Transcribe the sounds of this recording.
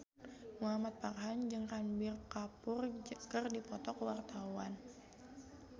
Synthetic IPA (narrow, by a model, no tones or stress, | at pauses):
muamat̪̚parɦand͡ʒɨŋrambɪrkapʊrkərdipɔt̪ɔkəwart̪awan